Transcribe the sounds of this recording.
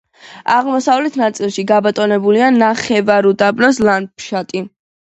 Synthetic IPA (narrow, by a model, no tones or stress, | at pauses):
aʁmɔsavlɛt̪ʰnat̪sʼilˠʃiɡabat̪ʼɔnɛbulianaχɛvaɾud̪abnɔslanpʃat̪ʼi